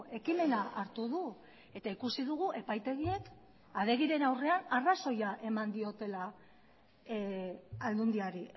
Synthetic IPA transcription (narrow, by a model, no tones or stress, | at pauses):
e̞kime̞naaɾt̪uðu | e̞t̪aikusiðuɣuʔe̞pajt̪e̞ɣie̞k | aðe̞ɣ̞iɾe̞nawre̞anaraso̞jaʔe̞mand̪io̞t̪e̞la | ald̪und̪iaɾi